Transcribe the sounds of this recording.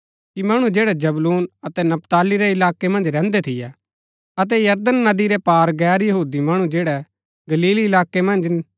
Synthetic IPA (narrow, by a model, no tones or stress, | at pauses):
kimɐɽ̃ũd͡ʒeːɽɛd͡ʒɐbluːnɐt̪ɛnɐpt̪aːliɾɛɪlaːkemɐ̃nd͡ʒɾɛ̃ːnd̪ɛt̪ʰɪjɛ | ɐt̪̬ɛjɐɾd̪ənːɐd̪iɾɛpaːɾɡɛːɾjɐɦuːd̪imɐɽ̃ũd͡ʒeːɽɛ | ɡɐliːlɪlaːkemɐ̃nd͡ʒ